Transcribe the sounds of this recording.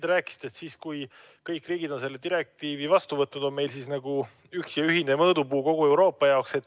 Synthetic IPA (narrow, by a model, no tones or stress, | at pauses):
d̪ɾæːkːˑi̥si̥d̪̥e̞t̪siːskuj | kɤjkːriːɡid̪̥o̞nselːe̞d̪iɾe̞k̚t̪iːvivɑst̪uvɤt̪ːˑnud̪o̞nme̞jlsiːsnɑɡ̥u | yksjɑyɦine̞mɤːd̪upuːko̞ɡ̥ue̞wɾo̞ːpːˑɑjɑokse̞t̪ːˑ